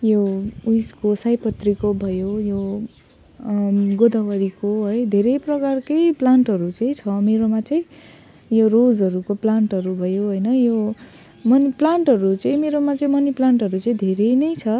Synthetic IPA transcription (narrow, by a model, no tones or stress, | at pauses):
joujskosajpʌt̪rikobʱʌjojo | ɡod̪ʌwʌɾikoɦʌjd̪ʱeɾejprʌkarkejplaɳʈɦʌɾut͡sʌĩt͡sʰʌmeɾomat͡saĩ | jorod͡zɦʌɾukoplaɳʈʌɾubʱʌjoɦojnʌjo | mʌniplaɳʈɦʌɾut͡sʌ̃ĩmeɾomat͡sʌĩmʌniplaɳʈɦʌɾut͡sʌĩd̪ʱeɾejnʌjt͡sʰʌ